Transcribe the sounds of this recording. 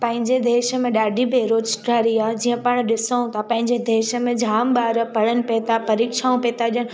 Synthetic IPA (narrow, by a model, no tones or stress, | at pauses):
pɐ̃ɦɪ̃ɲd͡ʑed̪eːʃə̆mẽɗaːɖʱibʱeːɾoːd͡ʒʈaːɾiaːd͡ʑiːə̃pɐɽ̃ɗɪsəũt̪ʰapɐ̃ɦɪ̃ɲd͡ʑed̪eːʃə̆mẽd͡ʑʱaːmɓaːɾəpɐɽənɪ̆peːt̪apɐɾiːkʃaːũpeːt̪aɗiən